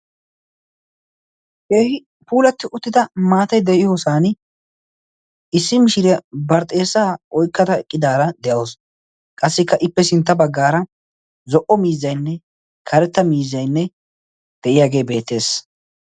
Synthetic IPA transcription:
keːhɪ | puːlɐt̪ːɪʔʊt̪ːɪd̪ɐmaːt̪ɐjd̪ɛʔɪjo̞ːsaːn | ɪsːɪmɪʃɪɾɛbɐɾt̪ʼe̞ːsːaːʔɔjkːɐt̪ɐɛkʼːɪd̪aːɾɐd̪ɛʔoːs | kʼɐsːɪkːɐʔɪpːɛsɪnt̪ːɐbɐɡːaːɾɐ | zɔʔɔmiːzːɐjnːɛ | kʰɐɾɛt̪ːɐmiːzːɐjnːɛ | d̪̥ɛʔɪjaːɡe̞ːbe̞ːt̪ːe̞ːs

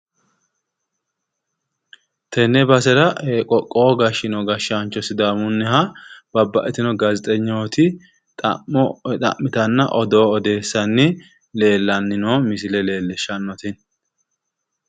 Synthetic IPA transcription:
t̪ʰɛnːɛbɐsɛɾɐeːkʼɔkʼːoːɡɐʃɪnɔɡɐʃant͡ʃːɔsɪd̪aːmʊnːɪhɐb̥ɐbːɐʔɛt̪ɪnɔɡɐzɪt̪ʼɛɲːoːt̪ʰɪ | t̪ʼɐ̰mːɔt̪ʼɐ̰mːɪt̪ɐnːɐʔɔd̪o̞ːɔd̪e̞ːsːɐnːɪ | le̞ːlːɐnːɪnoːmɪsɪlɛle̞ːlːɛʃːɐnːɔt̪ɪn

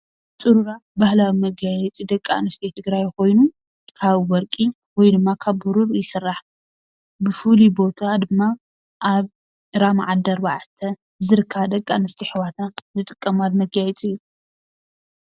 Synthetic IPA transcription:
t͡sʼuɾuɾabahlawimɐɡajɛt͡sʼid̪ɐkʼːa̰nɨst̪ʰet̪ʰɨɡɾajko̞jnu | kʰaβwɔɾkʼi | wɔjd̪ɨmːakʰaβːuɾuɾjɪsɨrːaħ | bɨfulibo̞t̪ʰad̪ɨmːa | ʔaβ | ɾamaʕad̪ɐɾba̰ʕat̪ʰːɐ | zɨɾɨkʰːad̪ɐkʼːanɐst̪ʰiħɨwat̪ʰazɨt̪ʼɨkʼːɐmalmɐɡajɛt͡sʼiɨjːu

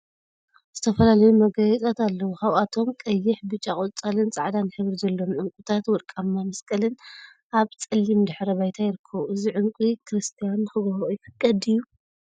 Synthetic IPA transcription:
z̥ɨt̪ʰɐfɐlalɐjumɐɡɐjɛt͡s̪ʼat̪alːɐwuxawʔat̪ʰo̞mkʼɐjːɪħbɨt͡ʃʼːakʼolt͡sʼɐlɨnt͡sʼaʕd̪anħɨβɾizɐlːo̞mʕɨŋkʷʼut̪ʰat̪wɔd̪kʼamːamɐskʼɐlɨn | ʔaβt͡sʼɨlːimd̪ɨħɾɐβajt̪ʰajɪɾɨkʰːɐβuʔɨziʕɨŋkʷʼikʰɾɨst̪ʰijanːɨxɨɡɐhujɪfɐkʼːɐd̪ijːu

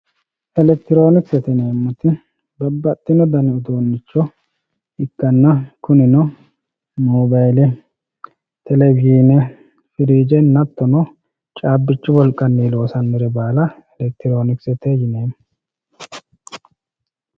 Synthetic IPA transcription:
ɛlɛk̚t̪ɪɾoːnɪksɛt̪ɪne̞ːmːʊt̪ɪ | bɐbːɐt̪ʼːɪnɔd̪ɐnɪʊd̪oːnːɪt͡ʃːɔ | ɪkːɐnːɐkʊnɪnɔ | muːbajlɛ | t̪ɛlɛɡiːnɛ | fɪɾiːd͡ʒɛnɐt̪ːɔnɔ | t͡ʃʼaːbːɪt͡ʃːʊbɔlkʼːɐnːiːlo̞ːsɐnmɪɾɛbaːlɐɛlɛk̚t̪ɪɾo̞ːnɪksɛt̪ɛjɪneːm

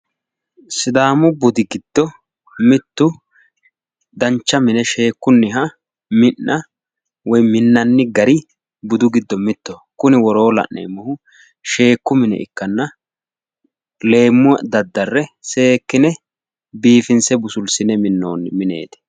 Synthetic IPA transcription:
sɪd̪aːmʊbʊd̪ɪɡɪd̪̥ːɔ | mɪt̪ːʊ | d̪ɐnt͡ʃːɐmɪnɛʃe̞ːkːʊnːɪɦɐ | mɪnːɐ | wɔjmɪnːɐnːɪɡɐɾɪ | bʊd̪ʊɡɪd̪ːɔmɪt̪ːɔkʊnɪwɔɾo̞ːlɐ̰ʔʔḛːmːɔhʊ | ʃe̞ːkːʊmɪnɛ̰ʔɪ̰kːɐnːɐ | le̞ːmːʊɐd̪ɐd̪ːɐrːɛse̞ːkːɪnɛ | biːfɪnsɛbʊsʊlsɪnɛmɪnːo̰ːnɪmɪnḛːt̪ɛ̥

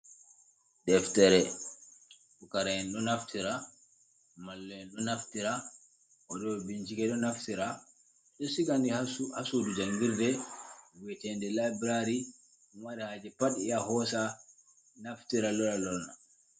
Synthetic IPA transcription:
dɛftɛɾɛ | fukaɾajɛnɗɔnaftʰiɾa | malːɔɛnɗɔnaftiɾa | ʔɔɗɔbind͡ʒikɛɗɔnaftiɾa | ɗɔsiɡandihahasudud͡ʒaŋɡiɾdɛwɛtɛndɛlabɾaɾi | waɾihad͡ʒɛpaɗijahɔsa | naftiɾalɔɾalɔlna

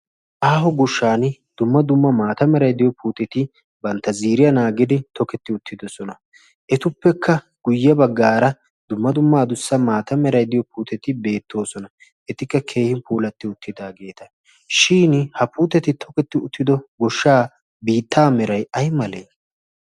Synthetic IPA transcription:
ʔaːɦɔɡɔʃːaːnd̪̥ʊmːɐd̪ʊmːɐmaːt̪ɐmɛɾɐjd̪ɪjɔpuːt̪ɛt̪ɪ | bɐnt̪ːɐziːɾɪjɐnaːɡɪd̪ɪt̪ʰɔkɛt̪ːɪʊt̪ʰːɪd̪ɔsɔnɐ | ʔɛt̪ʊpːɛkʰːɐ | ɡ̥ʊjːɐbɐɡːaːɾɐ | d̪ʊmːɐd̪ʊmːaːd̪ʊsːɐmaːt̪ɐmɛɾɐjd̪ɪjɔpuːt̪ɛt̪ɪbe̞ːt̪ːo̞ːsɔnɐ | ʔɛt̪ɪkːɐkʰe̞ːhɪnpuːlɐt̪ːɪʊt̪ʰːɪd̪aːɡe̞ːt̪ɐ | ʃiːnhɐpuːt̪ɛt̪ɪt̪ʰɔkɛt̪ːɪʊt̪ʰːɪd̪ɔɡɔʃːaː | biːt̪ʰːaːmɛɾɐjɐjmɐleː

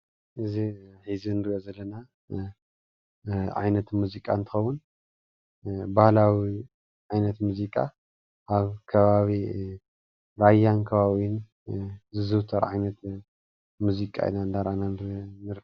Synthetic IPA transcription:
ʔɨziħizinɨɾiʔozɐlːɐna | ʕa̰jnɐt̪muzikʼant̪ʰɨ̥xɐwun | bahlawi | ʕajnɐt̪muzikʼa̰ | ʔaβkʰɐβaβi | ɾajːankʰɐβaβin | zɨzɨwt̪ʰɐɾʕajnɐt̪ | muzikʼa̰ḭnand̪aɾanannɨɾ

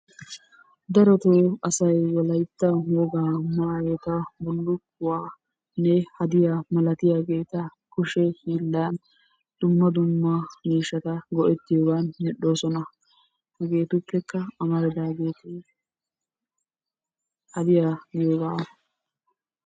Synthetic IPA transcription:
d̪ɐɾɔt̪oːɐsɐjwɔlɐjt̪ːɐmɔɡaːmaːjoːt̪ɐbʊlːʊkːʊwaː | nɛhɐd̪ɪjamɐlɐt̪ɪjaːɡe̞ːt̪ɐkʊʃɛhɪlːaːn | d̪̥ʊmːɐd̪ʊmːɐmiːʃːɐt̪ɐɡɔʔɛt̪ːɪjoːɡaːnmɪɗːoːsɔnɐ | hɡe̞ːt̪ʊpːɛkːɐɐmɐɾɛd̪aːɡe̞ːt̪e | hɐd̪ɪjaːɡɪjoːɡaː

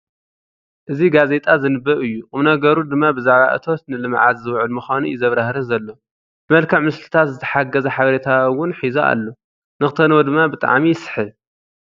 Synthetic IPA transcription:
ʔɨziɡaze̞t̪ʼazɨnɨbːɐʔɨjːuqʼɨmnɐɡɐɾud̪ɨmːabɨzaʕβa̰ʔɨ̰t̪ʰo̞t̪nɨlɨmʕa̰zzɨwʕɨlmɨxʷanujzɐβɾahɾɨnzɐlːo̞ | bɨmɐlkʰɐʕmɨst̪ʰɨ̥t̪ʰat̪zɨt̪ʰɐ̥ħaɡɐzɐħaβɐɾet̪ʰawːʊnħizoʔa̰lːo | nɨxt̪ʰɐnwod̪ɨmːabɨt̪ʼa̰ʕmijɪsɨ̥ħɨ

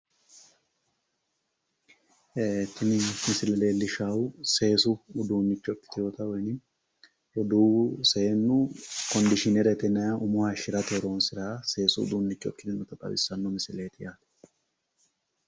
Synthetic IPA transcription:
et̪ʰːɪnɪmɪsɪlɛleːlːɪʃawse̞ːsʊːd̪uːnːɪt͡ʃːɔkːɪ̥t̪ɪjoːt̪ɐwɔjnɪ | ɾɔd̪uːsenːʊkɔnd̪ɪʃɪnɛɾɛt̪ɛnːɐjaʔʊmʊhɐʃɪɾɐt̪eɾoːnsɪɾaːse̞ːsʊ̰d̪uːnːɪt͡ʃːɔ̰kːɪt̪ɪnːɔt̪ɐkʼɐ̰bɪ̰sːɐnːɔmɪsɪle̞ːt̪ɪjaːt̪ɛ̥

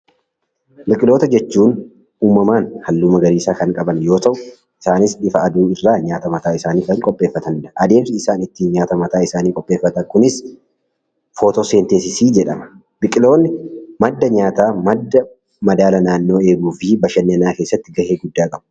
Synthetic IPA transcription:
bɪkʼɪlo̞ːt̪ɐd͡ʒɛt͡ʃːuːn | uːmːɐmaːnhɐlːuːmɐɡɐɾiːsaːkɐŋkʼɐbɐnjo̞ːt̪ɐʔʊ | ʔɪsaːnɪsᶑɪfɐɐd̪uːɪrːaːɲaːt̪ɐmɐt̪aːɪsaːniːkɐŋkʼɔpʼːe̞ːfːɐt̪ɐnᶑɐʔɐd̪e̞ːmsɪɪsaːnɪt̪ːiːnɲaːt̪ɐmɐt̪aːɪsaːniːkʼɔpʼːeːfːɐt̪ɐŋkʊnɪs | foːt̪ose̞ːnt̪eːsɪsiːd͡ʒɛᶑɐ̰mɐ̥ | b̥ɪkʼɪlo̞ːnːɪmɐd̪ːɐɲaːt̪aːmɐd̪ːɐ | mɐd̪aːlɐnaːnːo̞ːe̞ːɡuːfɪbɐʃɐnːɛɐnaːkeːsːɐt̪ːɪɡɐheːɡʊd̪ːaːkʼɐbʊ̥

